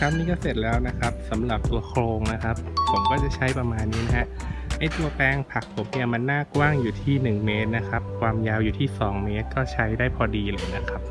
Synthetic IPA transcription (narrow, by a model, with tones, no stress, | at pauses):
kʰa˦˥wniː˧˥kɔː˥˩se˨˩t̪̚lɛː˦˥wna˦˥kʰa˦˥p̚sa˩˦mɾa˨˩p̚t̪u˧ɐkʰɾoː˧ŋna˦˥kʰa˦˥p̚pʰo˩˦mkɔː˥˩t͡ɕa˨˩t͡ɕʰa˦˥jpɾa˧maː˧nːiː˦˥na˦˥ha˦˥ | ʔa˧˩jt̪u˧ɐpɛː˧ŋpʰa˨˩k̚pʰo˩˦mni˥˩ɐma˧nːaː˥˩kwaː˥˩ŋjuː˨˩t̪ʰiː˥˩nɯ˨˩ŋme˦˥t̪̚na˦˥kʰa˦˥p̚kʰwaː˧mjaː˧wjuː˨˩t̪ʰiː˥˩sɔː˩˦ŋmeː˦˥t̪̚kɔː˥˩t͡ɕʰa˦˥jdaː˥˩jpʰɔː˧diː˧lɤː˧jna˦˥kʰa˦˥p̚